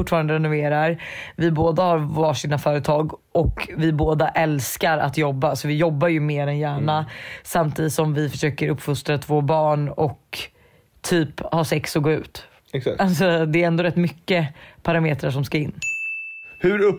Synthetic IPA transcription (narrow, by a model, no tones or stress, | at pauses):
ʊʈːfɑːɾand̪əɾɛnʊveːɾaɾvɪboːd̪ahaɾvɑːʂinafœːɾət̪ʰɑːɡɔkvɪboːd̪aʔɛlskaɾa̰t̪jɔbːasɔvɪjɔbːaɾjɵmeːɾɛnjæːɳasamt̪ʰiːd̪ɪt̪sɔmvɪfœʂøːkəɾɵpːfʊst̪ɾat̪ʰvoːbɑːɳɔk | t̪ʰyːphɑːsɛksɔɡoːʉ̟ːt̪ | asɔd̪ɛːɾɛnd̪oːɾɛt̪ːmʏkːəpʰaɾameːt̪ɾaʂɔmskaɪnː | hʉɾɵ